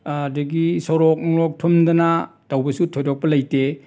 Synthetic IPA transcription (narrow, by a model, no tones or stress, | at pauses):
dɐɡisoɾɔk̚nɔŋɾɔk̚tʰumdɐnatawbɐsutʰojdɔk̚pɐlɐjte